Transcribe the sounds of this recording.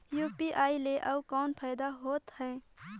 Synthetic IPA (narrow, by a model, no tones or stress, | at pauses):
juːpiʔaːileʔɐukɔːnpʰaːɪd̪aɦoːt̪hɛ̃ː